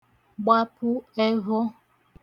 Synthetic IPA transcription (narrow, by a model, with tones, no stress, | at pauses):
ɡ͡ba˦pʰʊ˦e˦ɦo˦